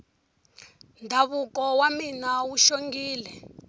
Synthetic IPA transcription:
ndʱaβukɔwaminawuʃoŋɡiːlɛ

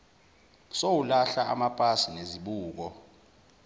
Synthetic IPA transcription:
sowulaɬaʔa̰mapʼasineziɓuːk̬ɔ

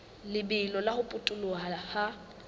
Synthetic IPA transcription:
lɪbɪlɔlahʊpʼʊtʼʊlʊaha

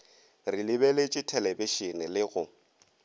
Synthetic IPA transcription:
rilɪbɛlet͡ʃʼɪtʰɛlebiʃinɪlɪɣʊ

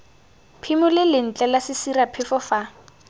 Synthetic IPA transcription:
pʰimʊlɪlɪn̩t͡ɬʼɛlasɪsirapʰɪfɔfa

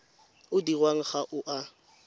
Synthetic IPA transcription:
ʊdirwaŋ̩χaʔʊʔa

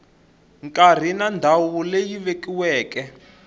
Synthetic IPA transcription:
ŋkʼar̤inandʱawulejiβekiwɛːkɛ

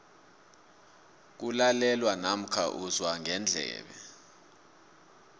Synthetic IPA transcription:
k̬ulalɛlwanam̩kʰa̰ʔuzwaŋɛnd͡ɮʱɛ̰ːɓɛ

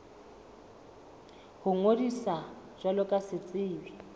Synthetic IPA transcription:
hʊŋodisa | ʒwalɔkʼasɪt͡sʼɪːwi

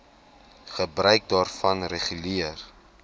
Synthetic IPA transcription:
χəbrœɥk̚dɑːrfɐnreχyliər

